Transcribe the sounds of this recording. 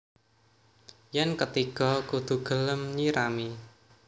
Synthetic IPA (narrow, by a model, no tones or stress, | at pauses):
jɛnkət̪iɡ̥ɔ̤kud̪̥ṳɡ̥ə̤ləmɲiɾami